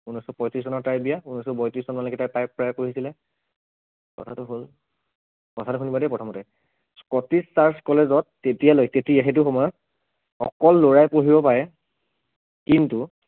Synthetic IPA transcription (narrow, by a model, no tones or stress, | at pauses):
unɔjsɔpɔjtɹis̬sɔnɔtajbijaunɔjsɔbɔjtɹisɔnmanlɔkɛtajpajpɹajpoɹisilɛ | kɔ̰tʰatʊɦol | kɔtʰatukʰunibadɛpɹɔtʰɔmɔtɛ | skɔtisːaɹskɔlezɔtːetijalojtetiaxet̬ʊxɔmɔjɔt̚ | xɔ̰kɔlːoɹajpoɦibɔpaɹɛ | kintu